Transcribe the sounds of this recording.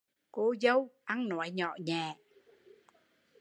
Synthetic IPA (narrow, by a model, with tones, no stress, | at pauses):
ko˧zə˧wʔa˧ŋnɔ˨˦jɲɔ̰˧˨ɲɛː˨˩